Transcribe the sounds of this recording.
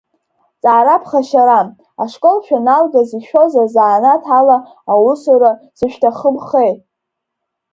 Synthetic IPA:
t͡sʼaːɾapʰχaʃaɾam | aʂkʼo̞lʃᶣanalɡaziʃᶣo̞zazaːnatʰalaː | wʊsuɾaz̥ɨʃᶣtʰaχəbχe̞jtʼ

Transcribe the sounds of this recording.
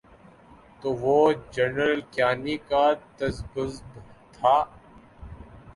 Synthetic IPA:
t̪oːʋoːd͡ʒɐnəɾlkjaːnikat̪ɐzɡʊzbt̪ʰaː

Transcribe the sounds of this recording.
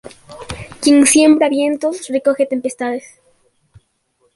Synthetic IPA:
kjeŋsje̞mbɾaβje̞nt̪osreko̞xe̞t̪e̞mpe̞st̪aðes

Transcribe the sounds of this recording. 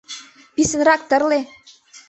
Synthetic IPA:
pisə̆nɾɑk̚t̪ɤ̆rle

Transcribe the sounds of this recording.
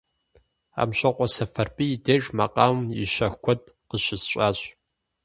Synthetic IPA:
a̰ːmɕɐqʷʼɔsɐfɐrpʼijːdeːʒʼmɐqʼaːmiʃɐxkʷʰɔd̚ | qəɕɪsɕʼaːɕʼ

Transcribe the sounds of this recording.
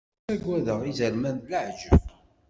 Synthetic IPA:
æɡʷːæðəʁizəɾmænd̪ləʕʒə̰v

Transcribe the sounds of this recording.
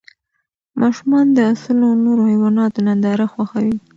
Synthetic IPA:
mʔɑʃumɑnd̪əasəlonoɾohajwɑnɑt̪onand̪ɑɾaxwaxawi

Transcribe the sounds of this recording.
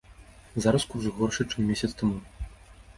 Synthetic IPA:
zaɾɐskurzɣɔrʂɨt͡ʂɨmːʲesʲɐt̪st̪ɐmu

